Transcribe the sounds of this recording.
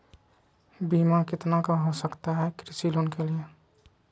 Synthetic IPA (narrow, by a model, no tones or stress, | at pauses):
biːmakɪt̪nakaɦosəkt̪aɦɛkɾɪsiloːnkelie